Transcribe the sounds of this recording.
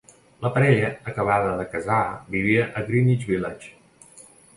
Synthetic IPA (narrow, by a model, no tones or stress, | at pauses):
ləpəɾɛʎəːkəβ̞aðəðəkəzabiβiəʔət̪ɾinid͡ʒβilat͡ʃ